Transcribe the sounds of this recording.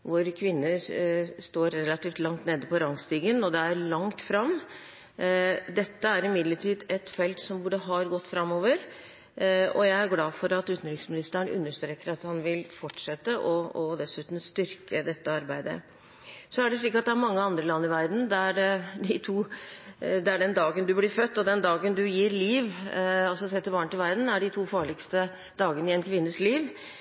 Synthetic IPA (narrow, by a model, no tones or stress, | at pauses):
ʋʊɾkʰʋɪnːə | st̪oːɾːɛlɑt̪iːft̪lɑŋt̪neːd̪əpʰɔɾɑŋst̪iːɡənɔd̪ɛæɾlɑŋt̪fɾɑm | d̪ɛt̪ːəæɾɪmɪd̪ləʈʰiːd̪ɛt̪fɛlt̪sɔmbuːɖəɦɑɾɡɔt̪ːfɾɑmːoːʋəɾ | ɔ̰jæɪæɾɡlɑːfɔɾɑt̪ʉːt̪n̩ɾɪksmɪnɪst̪əənʉ̰nːəʂt̪ɾeːkːəɾɑt̪hɑnʋɪlfɔʈːʂɛt̪ːəʔɔɔd̪ɛsʉːt̪n̩st̪ʏɾkʰəd̪ɛt̪ːəɑɾbæɪd̪ə̰ | sɔæɖɛʂɭiːkɑt̪d̪ɛæɾmɑŋːəɑnd̪ɾəlɑnːɪʋæɾd̪n̩d̪æɖɪt̪ʰuː | d̪ɛæɖɛnd̪ɑːɡənd̪ʉblɪɾfœt̪ːɔd̪ɛnd̪ɑːɡənd̪ʉjiːɾliːʋɑlsɔsɛt̪ːəɾbɑːɳət̪ɪlʋæɾd̪n̩æɖɪt̪ʰuːfɑːɭɪkst̪ə | d̪ɑːɡənɪɛnkʰʋɪnːəsliːʋ